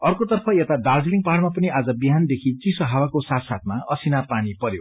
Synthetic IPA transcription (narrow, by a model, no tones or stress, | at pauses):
ʌrkot̪ʌrpʰʌjet̪ad̪ard͡zliŋpaɽmapʌniʔad͡zʌbiɦand̪ekʰit͡sisoɦawakosat̪sat̪̚maʌsinapanipʌɾjo